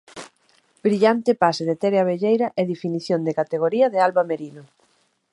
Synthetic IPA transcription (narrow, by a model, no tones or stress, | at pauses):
bɾiʎant̪ɪpaseðet̪ɛɾeaβ̞eʎejɾɐʔeðifiniθjond̪ekat̪eɣ̞oɾiɐðealβameɾino